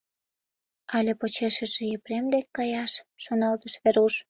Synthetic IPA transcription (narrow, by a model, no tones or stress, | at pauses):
ɑlʲepot͡ɕeʃəʒĕjepremd̪ekːɑjɑʃːonɑlt̪əʃβeɾuʃ